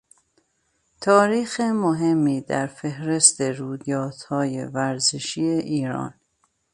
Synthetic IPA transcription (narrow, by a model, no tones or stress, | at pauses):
t̪ʰɒːɾiːxemoɦe̞mːiːd̪æɾfe̞hɾe̞st̪eɾuːd̪ɒːt̪hɒːjḛvæɾzeʃiːeʔiːɾɒ̰ːn